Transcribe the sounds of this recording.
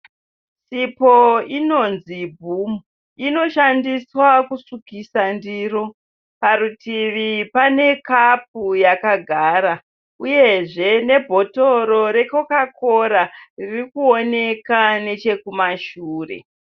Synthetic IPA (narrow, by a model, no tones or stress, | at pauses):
sipo̞ino̞nzibʱumu | ino̞ʃandiswakusukisandiːɾo | paɾutiʋipane̞kap̚ujakaɡʱaːɾa | uje̞ʐe̞ne̞bʱo̞to̞ɾo̞ɾe̞kokakʰo̞ɾaririkuo̞ne̞kane̞t͡ʃe̞kumaʃuːre̞̰